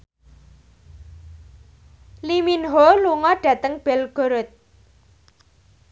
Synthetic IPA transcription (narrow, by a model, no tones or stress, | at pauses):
liminɦoluŋɔɖ̥ä̤t̪əŋb̥ɛlɡ̥o̤ɾɔt̪̚